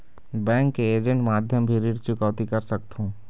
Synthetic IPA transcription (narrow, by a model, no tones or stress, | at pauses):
bɛ̃ːŋkːeeːd͡ʒə̃ɳʈmaːd̪ʱjəmbʱiɾiɾt͡ʃʊkəʋt̪ikɐɾsɐk̚t̪ɦũː